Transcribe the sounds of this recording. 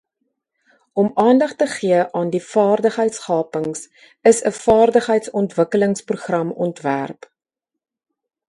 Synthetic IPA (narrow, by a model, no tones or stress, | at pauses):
ɔmɑːndɐχtəχiəʔɑːndifɑːrdəχəjtsχɑːpəŋs | əsəfɑːrdəχɦəjtsɔntvəkələŋspruχrɐmɔ̰ntvæ̰rp